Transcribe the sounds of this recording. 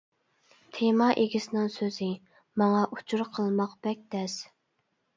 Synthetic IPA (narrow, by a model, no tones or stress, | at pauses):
t̪ʰemɑʔeɡʲɪsɪnɪŋsøzɪ | mɑŋɑʔu̥t͡ʃʰuɾqʰəlˠmɑqb̥ɛk̚ʲd̪ɛs